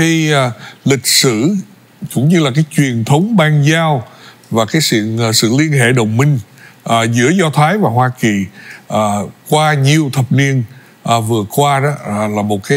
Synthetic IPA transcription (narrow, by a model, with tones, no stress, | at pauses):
i˧˨˩lï˨˩k̟̚sɨ̰˧˩˨ | kʊ̰˧˥ŋ͡mɲɨ˧laː˨˩kaː˨˦jt͡ɕwi˨˩ənt̪ʰə˨˦wŋ͡mɓaː˧nzaː˧w | vaː˨˩kaː˨˦jsḭ˧˨ənː˨˩sɨ̰˧˨li˧ənɦḛ˧˨ɗə˨˩wŋ͡mmï˧ŋ̟ʔzɨ̰˧˥əzɔ˧t̪ʰaː˨˦jvaː˨˩ɦwaː˧ki˨˩ʔaː˨˩kwaː˧ɲi˨˩əwt̪ʰə˨˩p̚ni˧ən | ʔːvɨ˨˩əkwaː˧ɗɔ˨˦˨laː˨˩mo˨˩t̚kaː˨˦